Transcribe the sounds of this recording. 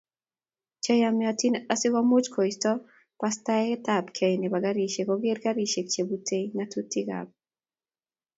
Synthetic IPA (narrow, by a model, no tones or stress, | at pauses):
t͡ʃɛjamatinasɪɡamut͡ʃkʰɔistɔ | pastaɛɛtabkʰɛjnebaɡaɾiʃekɔɡeɾɡaɾiʃek̚t͡ʃebutʰeŋatutiɡa̰b̚